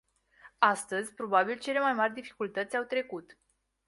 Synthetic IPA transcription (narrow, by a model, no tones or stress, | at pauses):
ast̪əzʲpɾo̞babilt͡ʃe̞le̞majmarʲd̪ifi̥kult̪ət̪sʲawt̪ɾe̞kut̪